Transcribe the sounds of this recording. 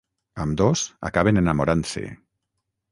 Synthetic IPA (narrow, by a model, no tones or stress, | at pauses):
əmd̪oza̰kaβenenamoɾansḛ